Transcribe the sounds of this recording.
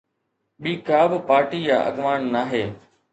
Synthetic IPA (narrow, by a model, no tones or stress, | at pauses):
ɓiːkaːbɪpaːɾʈiːja̰ːʔə̰ɡʋaːnnaːɦeː